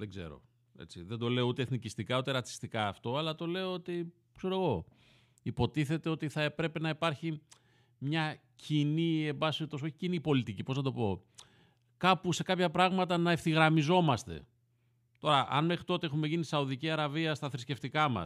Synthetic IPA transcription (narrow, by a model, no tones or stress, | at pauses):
ðeɡze̞̰ɾo̞̰ | ḛt͡sḭðe̞nd̪o̞le̞out̪e̞θnicist̪ikɐut̪e̞ɾɐt͡si̥st̪ikɐːft̪o̞ɐlɐt̪o̞le̞oo̞t̪i | kse̞ɾoeɣo̞ | ipo̞t̪iθe̞t̪e̞o̞t̪iθɐe̞pɾe̞pe̞nɐipɐɾçi | mɲɐ | cinie̞mbɐsio̞t̪o̞so̞çicinipo̞lit̪icipo̞znɐt̪o̞po̞ | kɐpuse̞kɐpçɐpɾɐɣmɐt̪ɐnɐefθiɣɾɐmizo̞mɐst̪e̞̰ | t̪o̞ɾɐʔɐ̰nme̞xɾit̪o̞t̪eexume̞ʝinisɐuðiciɐɾɐviɐst̪ɐθɾisce̞ft̪ikɐmɐ̰s